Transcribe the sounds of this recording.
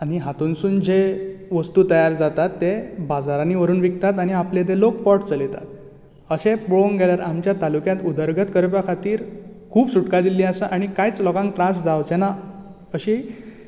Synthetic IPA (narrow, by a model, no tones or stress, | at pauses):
aɽ̃iɦat̪unsuːnd͡ʑeʋəst̪uːt̪əjaɾd͡zat̪at̪ːebad͡zaɾaniʋəɾuːnʋik̚t̪at̪añiapled̪elok̚pɔʈt͡səlet̪a̰t̪̚ | əɕepɭoŋɡʱeljaɾamt͡ɕjat̪alukjãt̪ud̪əɾɡət̪kəɾpjakʰat̪iːɾ | kʰuːbsuʈkad̪iliːasaʔaɽ̃ikajt͡slɔkãŋk̚ʈɾãsd͡zawt͡ɕena | əɕiː